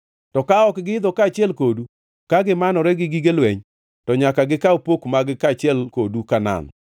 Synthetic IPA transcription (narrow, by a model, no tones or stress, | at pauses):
tɔkaɔkɡɪɪd̪ɔkaːt͡ʃɪɛlkodu | kaɡɪmanɔɾɛɡɪɡɪɡelwɛɲ | tɔɲakaɡɪkaopokmaɡɪkat͡ʃɪɛlkodukana̰n